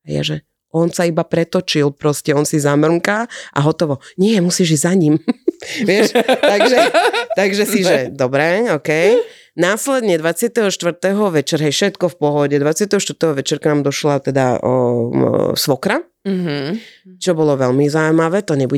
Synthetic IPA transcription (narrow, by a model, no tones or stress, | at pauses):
aja̰ʒɛ | ɔnsaibapɾɛt̪ɔt͡ʃilˠpɾɔscɛɔnsizamr̩ŋkaʔa̰ɦɔt̪ɔʋɔɲɪɛmusiːʒiɟzaɲimʋɪɛʃaɡʒɛt̪aɡʒɛsiʒɛd̪ɔbɾɛɔkɛj | naːslɛd̪ɲɛd̪ʋat͡sɪat̪ɛɦɔʃt̪ʋr̩t̪ɛɦɔʋɛt͡ʃɛɾɦɛjfʃɛt̪kɔfpɔɦɔɟɛd̪ʋat͡sɪat̪ɛɦɔʃt̪əɾt̪ɛɦɔʋɛt͡ʃɛɾknaːmd̪ɔʃlat̪ɛd̪a̰ | sʋɔkɾa | t͡ʃɔbɔlɔʋɛlmizawjmaʋɛt̪ɔɲɛbu